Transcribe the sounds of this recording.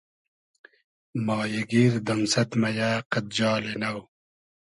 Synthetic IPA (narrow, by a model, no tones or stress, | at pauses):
mɑːjɐɡiːɾd̪ɐmsɐt̪mɐjaːqɐt̪̚d͡ʑɑːlenɐw